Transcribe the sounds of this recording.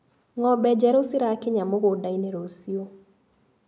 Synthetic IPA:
ŋɔbɛd͡ʒɛɾosɪɾakɪɲamoɣodaineɾosio

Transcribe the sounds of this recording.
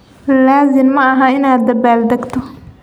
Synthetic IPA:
laːzɪmːɐɐɦɐɪnaːd̪ːɐbaːld̪ɐɡt̪ʰɔ

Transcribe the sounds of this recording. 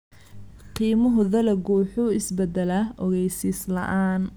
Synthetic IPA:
qiːmʊɦʊðɐlɐɡuːħʊɪsbɛd̪ɛlɐʔɔɣɛjsiːslɐ̰ʔaːn

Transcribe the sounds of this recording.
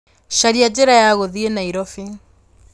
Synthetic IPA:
ʃaɾiad͡ʑeɾajaɣoðienaiɾɔfi

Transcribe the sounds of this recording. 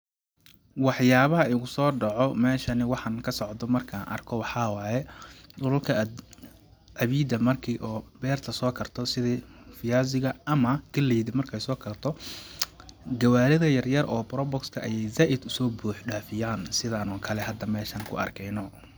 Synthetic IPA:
wɑħjaːβɐɦɐɪɣʊsɔːɖɑʕɔmɛːʃɐnɪwɑħɑnkʰɐsɔʕd̪ɔmɐrkʰaːnʔɐ̰rkʰɔwɑħɑːwaːjɛdʊlʊlkʰɐ | ʕɑβiːd̪ɐmɐrkʰiːʔɔːbɛːrt̪ʰɐsɔːkʰɐrt̪ʰɔsɪðɛfɪjaːzɪɣɐɐmɐɡ̥ɐlːɛːðɪmɐrkʰɛjsɔːkʰɐrt̪ʰɔ | ɡɐwaːɾɪðɐjɐrjɐrʔɔːbɾɔbɔkskʰɐʔɐjɛjzaːʔɪd̪ʊsɔːbuːħɖaːfɪjaːnsɪðaːnʊːŋkʰɐlɛɦɐd̪ːɐmɛːʃɐːnkʰʊ̰ɐ̰rkʰɛjnɔ

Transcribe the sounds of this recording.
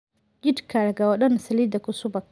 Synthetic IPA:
ɡɪdkʰaɾaɡawaɗɐnasɐlid̪akʊsʊbak

